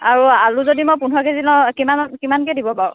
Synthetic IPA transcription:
aɹualuzodimojpunɔkezilɔkimankimankɛdibɔpaɹ

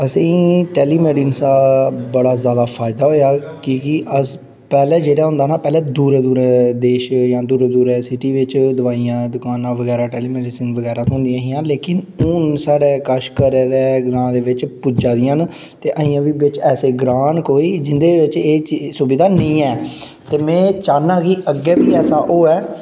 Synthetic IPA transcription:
əsĩːʈɛːliːmɛːɖiːnsaːbəɽaːzjaːd̪aːpʰaːɪd̪aːɦoːjaːkikɪʔəs | pɛːlɛːd͡ʒeːɽaːɦʊ̃nd̪aːnaːpɛːlɛːd̪uːɾːd̪uːɾɛːd̪eːʃjãːd̪uːɾed̪uːɾɛːsɪʈiːʋɪt͡ʃd̪ʊʋaːijãːd̪ʊkaːnãːʋəɡɛːɾaːʈɛːliːmɛːɖisɪnʋəɡɛːɾaːt̪ɦʊ̃nd̪ijãːɦijãːleːkɪnʊnsaːɽɛːkəʃkəɾeːd̪eːɡɾãːd̪eːʋɪt͡ʃpud͡ʒaːd̪ɪjãːn | t̪eːʔəːɪ̃ːãːʋiːʋɪt͡ʃɛːseːɡɾaːnkoːiːd͡ʒɪnd̪eːʋɪt͡ʃeːsubɪd̪aːnəĩːɛː | t̪eːmɛ̃ːt͡ʃaːnãːkiʔəɡːɛːʋiːɛːsaːʔoːɛː

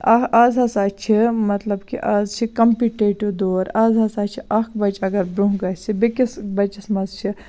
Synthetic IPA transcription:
ɐaːzɦɐsaːt͡ʃʰimɐt̪lɐbkḭʔaːzt͡ʃʰikɐmpiʈeːʈud̪oːɾaːzɐsaːt͡ʃʰiʔɐkbɐt͡ʃɐɡɐɾbɾuɦɡɐsibekisbɐt͡ʃismɐzt͡ʃʰi

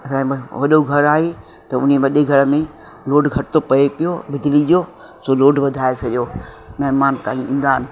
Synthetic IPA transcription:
ɐsãːʋɐɗoɡʱɐɾaːɦe | t̪ɐʊ̰neʋɐɗeɡʱɐɽmẽ | loːɖɡʱɐʈɪt̪opɐepɪjobɪd͡ʒliʄo | soːloːɖʋɐd̪ʱaːesʰɐʄoː | mɐɦmaːnt̪aːĩĩːn̆d̪aːɦɪnɪ̆

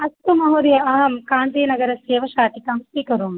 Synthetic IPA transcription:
ɐst̪umɐɦuːɾijɐɐɦɐmkaːnd̪iːnɐɡɐɾɐseːʋɐʃaːt̪ikɐmsiːkɐɾuːm

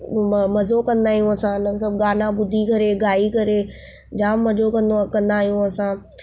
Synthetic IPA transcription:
mɐzokɐ̃nd̪aːijũɐsãnəsəb̚ɡaːnãbʊd̪ʱikɐɾeɡaːikɐɾe | d͡ʑaːmːɐd͡ʒokɐ̃nd̪okɐ̃nd̪aːɦijũɐsãː

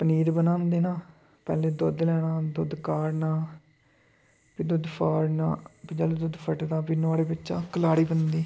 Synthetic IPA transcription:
pəniːɾbənãːnd̪eːnãː | pɛ̰ːleːd̪ʊd̪lɛːɽãːd̪ʊd̪kaːɾnãː | pʰid̪ʊd̪pʰaːɾnãːpʰɪd͡ʒaːloːd̪ʊd̪pʰəʈd̪aːpinoaːɽeːbɪt͡ʃã̰ːkəlaːɽiːbənd̪iː

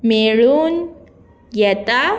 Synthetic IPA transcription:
meɭuːn | jɛt̪a

